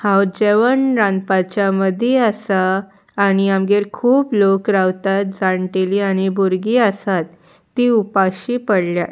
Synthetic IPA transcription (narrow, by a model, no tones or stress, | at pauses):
hãwd͡ʑeʋəɳɾãnd̪pat͡ɕjaməd̪ʱeəsaː | ɽ̃iamɡeɾkʰuːplokɾawt̪at̪̚d͡zaɳʈeliaɽ̃iboɾɡiːəsat̪ː | iːupaɕiːpəɽlja